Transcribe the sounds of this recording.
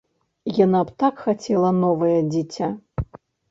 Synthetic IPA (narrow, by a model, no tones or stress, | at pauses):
janapt̪akxat͡sʲɛlˠɐnɔvɐjɐd͡zʲit͡sʲa